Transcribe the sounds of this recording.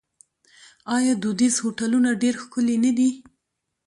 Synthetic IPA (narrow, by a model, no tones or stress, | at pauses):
ɑjɑd̪ud̪izhoʈalunaɖeɾxkʊlenad̪i